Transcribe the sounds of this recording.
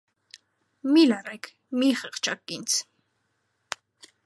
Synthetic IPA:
milarɛk | miχɛχt͡ʃʰakːint͡sʰ

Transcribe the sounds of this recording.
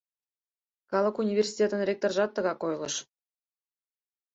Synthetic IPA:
kɑlˠɤ̆kunʲivʲersʲi̥tʲet̪ə̆nrʲek̚t̪orʒɑt̪ːə̆ɣɑkojlˠɤ̰̆ʃ

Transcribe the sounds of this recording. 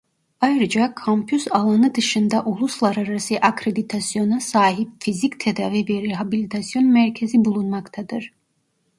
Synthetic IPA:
ajɾɯd͡ʒakʰompʰjusalˠanɯd̪ɯʃɯnd̪aʔulˠuslˠaɾaɾasɯʔakɾed̪it̪ʰasijo̞nasaːɦip̚fizict̪ʰed̪aːvɛbiɾeɦabilʲit̪ʰasijo̞nmæɾcʰezibulˠunmakt̪ʰad̪ɯɾ̥

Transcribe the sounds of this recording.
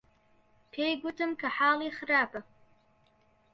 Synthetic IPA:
pʰejɡʷʊtʰɨmkʰaħaːliχraːpʰʼɐ

